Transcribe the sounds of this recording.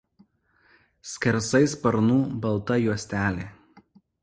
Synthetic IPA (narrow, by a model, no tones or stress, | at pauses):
sʲkʲɛɾsɐɪspɐɾnuːbɐlˠt̪ɐjuɔsʲt̪ʲæːlʲeː